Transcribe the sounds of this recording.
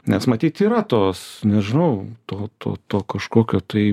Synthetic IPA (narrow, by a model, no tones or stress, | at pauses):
nʲɛsmɐt̪ʲiːt̪iːɾɐt̪oːsnʲɛʒʲɪnɐʊt̪oːt̪o̰ːt̪oːkɐʃkoːkʲoːt̪ɐɪ